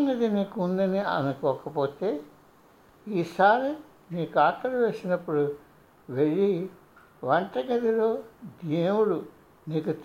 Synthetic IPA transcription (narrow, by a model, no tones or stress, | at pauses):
nɐd̪iniːkuund̪ɐniɐ̰nukɔːkɐpoːt̪eː | iːsaːɾi | niːkuaːk̪ːɐɾuʋe̞ːsinɐpːuɽu | ʋeɭːi | ʋɐɳʈɐɡɐd̪iloːd̪eːwuɽu | niːkut̪